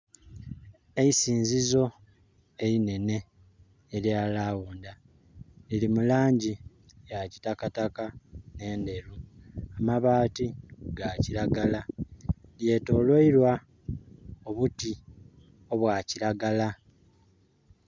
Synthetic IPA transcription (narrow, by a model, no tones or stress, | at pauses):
e̞isiːnzizo̞ | e̞ɾine̞ne̞ː | ɾjaːlaːwuːnda | lilimulaːɲɟi | jacitakatakane̞ːnde̞ɾuamaβaːtiɡaciɾaɡala | lje̞to̞ːlwoiɾwa | oβuti | o̞βwaːciɾaɡala